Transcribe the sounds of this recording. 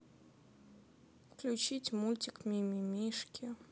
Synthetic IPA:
fklʲut͡ɕitʲmulʲtʲikmʲimʲimʲiʂkʲi

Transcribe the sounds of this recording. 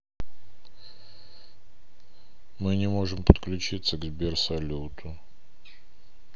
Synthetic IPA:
mɨnʲɪmo̞ʐɨmpət̪klʲʉt͡ɕit̪sːəɡzbʲersɐlʲut̪ʰʊ

